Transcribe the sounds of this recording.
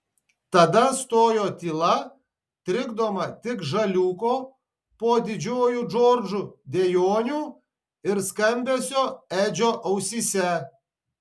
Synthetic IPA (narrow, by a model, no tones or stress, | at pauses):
t̪ɐd̪ɐst̪oːjoːt̪ʲiːlˠɐ | t̪ʲɾʲɪɡd̪oːmɐt̪ʲɪkʒɐlʲuːkoː | poːd̪ʲɪd͡ʒʲoːjuːd͡ʒoːɾʲd͡ʒud̪ʲejoːnʲuː | ɪɾskɐmʲbʲɛsʲoːæːd͡ʒʲoːʔɐʊsʲiːsʲɛ